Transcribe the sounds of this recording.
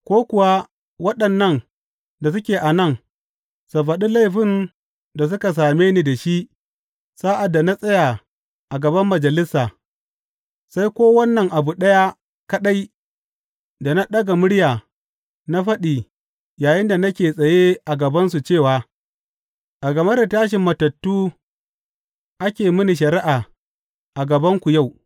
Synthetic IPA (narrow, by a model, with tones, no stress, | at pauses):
kʷoː˦kʷʊ˨wa˦ | wɐ˦ɗɐ˨nːɐ˦˨n | da˨s̬ʊ˦kʲeː˨ʔa˨nɐ˦˨ŋ | sa˨ɸɐ˨ɗi˦la˦jɸɪ˦˨n | da˨s̬ʊ˦ka˨s̬aː˨meː˦ni˨da˨ʃi˦ʔ | saː˦ʔa˨dːa˨na˦sʼɐ˦ja˨ | ʔa˨ɡɐ˨bɐ˦mːɐ˨d͡ʒɐ˨lɪ˦sːaː˨ | sa˦jkʷoː˦wɐ˦nːɐ˨ŋʔa˨bu˨ɗɐ˦ja˦ | kɐ˦ɗa˦j | da˨na˦ɗɐ˦ɡa˨mʊ˦ɽjaː˨ | na˦ɸɐ˦ɗiː˨ | jaː˨jɪ˦nda˨nɐ˦kʲeː˨sʼɐ˨je˦ʔa˨ɡɐ˨bɐ˦nsu˨t͡ʃeː˦˨waː˨ | ʔa˨ɡɐ˨mɐ˦da˨taː˦ʃ̬ɪ˨mːɐ˨tɐ˨tːuː˦ | ʔa˦kʲeː˨mɪ˦ni˨ʃ̬ɐ˨ɾɪ˦ʔaː˨ | ʔa˨ɡɐ˨bɐ˦ŋkʷu˨ja˦˨w